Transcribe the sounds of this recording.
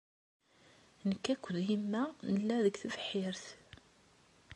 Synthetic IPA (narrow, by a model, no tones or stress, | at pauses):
nəkːækʷːəðhimːænəlːæðəɡθəvəħːɪɾθ